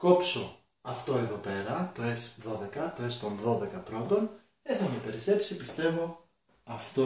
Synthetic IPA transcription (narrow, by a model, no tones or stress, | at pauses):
ko̞pso̞ | ɐft̪o̞eðo̞pe̞ɾɐt̪o̞e̞sðo̞ðe̞kɐt̪o̞e̞st̪o̞nðo̞ðe̞kɐpɾo̞t̪o̞n | eθɐme̞pe̞ɾise̞psipist̪e̞vo̞ | ɐft̪o